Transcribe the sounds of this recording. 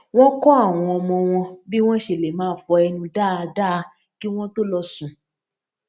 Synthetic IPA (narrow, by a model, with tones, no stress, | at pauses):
w̃ɔ̃˦kɔ˦a˦˨w̃ɔ̃˧ɔ˧mɔ̃˧w̃ɔ̃˧bi˦w̃ɔ̃˦ʃe˨le˨mãː˦˨˦fɔ˧ɛ˧nũ˧da˦˨a˧da˦˧˦ | ki˦w̃ɔ̃˦to˦lɔ˧sũ˨